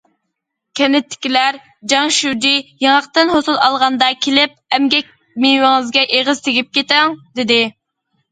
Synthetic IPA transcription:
kʲʰɛnɪt̪ʰːɪ̥kʲilæɾ | d͡ʒɑŋʃud͡ʒ̪ijeŋɑqt̪ɨnhosulˠɑlˠʁɑnd̪ɑkʲʰelɪp̚ɛmɡʲɛk̚ʲ | mewɪŋɨzɡʲɛʔeʁəz̥t̪ʰeɡʲip̚kʲet̪æŋd̪ɪd̪ɪ

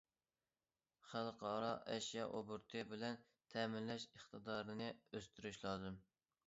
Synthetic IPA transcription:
χælˠqʰɑːɾɑʔɛʃjɑʔobuɾt̪ʰɨbɪlɛn | t̪ʰɛːmɪllɛʃəχt̪ɨd̪ɑːɾɨnɨøst̪yɾyʃlˠɑːzɨm

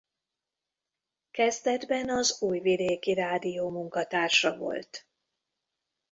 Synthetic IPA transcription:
kɛzd̪ɛd̪bɛnɒzuːjvid̪eːkiɾaːd̪ijoːmuŋkɒt̪aːrʃɒvo̞̰lt̪

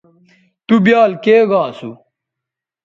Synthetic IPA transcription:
t̪ubjaːlkeːɡãːsu

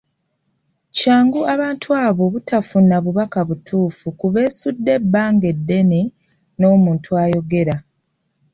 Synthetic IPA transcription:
caːŋɡuaβaːntʰuaːβo̞βutafunːaβuβakaβutʰuːfukuβe̞ːsudːe̞bːaːŋɡe̞dːe̞ne | no̞ːmuːntʰuaːjo̞ɡe̞ɾa

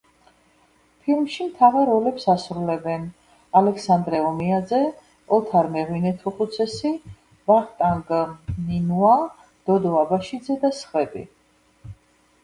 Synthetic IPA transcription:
pʰilmʃimt̪ʰavaɾɔlɛpsasɾulɛbɛn | alɛksand̪ɾɛɔmiad̪zɛ | ɔt̪ʰaɾmɛʁwinɛt̪ʰuqʼut̪sʰɛsi | vaχt̪ʼaŋɡninua | d̪̥ɔd̪ɔabaʃid̪zɛd̪asχwɛbḭ

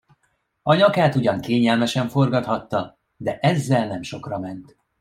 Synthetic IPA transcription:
ɒɲɒkaːt̪uɟɒŋkeːɲɛlmɛʃɛɱfo̞rɡɒt̪hɒt̪ːɒ | d̪ɛʔɛzːɛlnɛmʃo̞krɒmɛnt̪

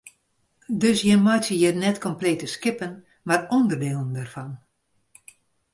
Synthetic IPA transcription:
døsjəmɔjtəjənɛtkʰɔmpleːtəskɪpən | marɔndərdeːlˠəndɛrfɔn

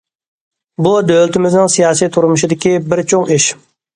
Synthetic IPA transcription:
bud̪ølt̪ʰɪmɪznɪŋsijɑːsijt̪ʰuɾmuʃɪd̪ɪkʲibɪɾt͡ʃʰoŋiʃ

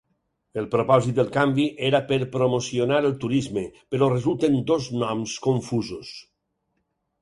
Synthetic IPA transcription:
elˠpɾopɔzit̪̚d̪elˠkambiʔeɾapeɾpɾomosionaɾəlˠt̪uɾizmepeɾɔrezulˠt̪end̪oznɔmskoɱfuzos

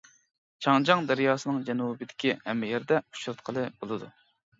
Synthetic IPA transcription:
t͡ʃʰɑŋd͡ʒɑŋd̪ɛɾjɑːsɨnɨŋd͡ʒɛnubɪd̪ɪ̥kʲihɛmːɪjɛɾd̪ɛu̥t͡ʃɾɨt̪̚qʰəlˠɨb̥olˠɨd̪ṵ

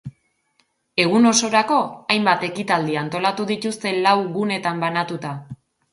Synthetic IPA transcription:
e̞ɣ̞uno̞so̞ɾako̞ajmbat̪e̞kit̪ald̪iant̪o̞lat̪uðit̪ust̪e̞lawɣune̞t̪ambanat̪ut̪a

